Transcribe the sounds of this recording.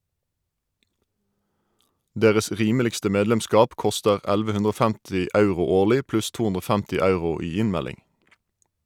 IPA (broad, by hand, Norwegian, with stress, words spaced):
ˈdeːʁəs ˈʁiːməlɪkstə ˈmeːdlɛmˌskɑːp ˈkɔstəʁ ˈælʋə ˈhʉndʁ ˈɔ ˈfæmtɪ ˈɑʉʁʊ ˈoːʁlɪ ˈplʉs ˈtuː ˈʉndʁ ˈoː ˈfæmtɪ ˈɑʉʁʊ ˈiː ˈɪnˌmælɪŋ